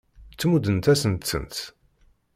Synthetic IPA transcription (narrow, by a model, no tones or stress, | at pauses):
t͡sːmud̪ənt̪æsənt̪sə̰nt̪